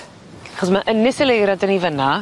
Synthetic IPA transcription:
aχɔsmaʔənɪsəlejɾadənivəna

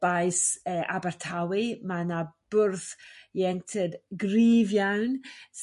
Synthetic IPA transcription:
b̥ajsəʔa̰bartʰawimanab̥ʊrθjɛŋtʰədɡriːvjawns

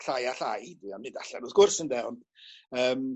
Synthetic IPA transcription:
ɬajaɬajidiɔmnɨdaɬɛ̰rʊːðɡ̥ʊrsəndɛwnəːm

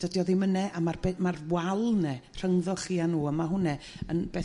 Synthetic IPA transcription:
d̥ədjɔðimənɛʔamarbeːmarwalˠnɛr̥əŋðɔχiːanuːəmaɦʊnɛ | ənb̥eː

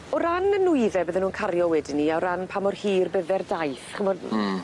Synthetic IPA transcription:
ɔɾanənʊɨðɛbəːðɛnuːnkʰarjɔwɛdiniawɾanpʰamɔrhiːrbəðɛrdajθχəmɔd

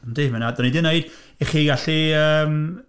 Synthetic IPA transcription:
ndejmɛnadɔnidɪnejd̥ | ɛχiɡaɬiəːm

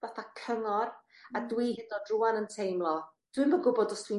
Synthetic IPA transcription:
vaθakʰəŋɔr | adwihɪndɔdruanəntʰejmlˠɔ | d̥wɨmbəɡʊbɔdɔsd̥wi

